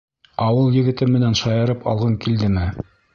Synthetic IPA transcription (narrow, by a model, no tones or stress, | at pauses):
ɑwɤlˠjɘ̆ɡɘ̆t̪ɘmːɘ̆nænʃɑjɤ̆ɾɤpʰɑ̰lˠʁɤŋkild̪ɘmɘ